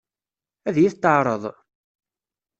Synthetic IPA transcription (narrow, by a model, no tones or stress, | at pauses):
æðjiθt̪ːəʕɾˤəðˤ